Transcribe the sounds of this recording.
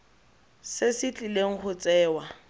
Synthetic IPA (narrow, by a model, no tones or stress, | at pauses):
sesɪt͡ɬʼileŋ̩χʊt͡sʼɛːwa